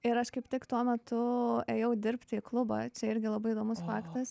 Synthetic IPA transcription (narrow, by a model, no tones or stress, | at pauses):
ɪɾɐʃkɐɪpt̪ʲɪkt̪uɔmʲɛt̪ʊeːjɛʊd̪ʲɪɾʲpʲt̪ʲɪɪklˠʊbɑ̰ːt͡ʃʲɛɪɾʲɡʲɪlˠɐbɐɪːd̪oːmʊsfɑːkt̪ɐs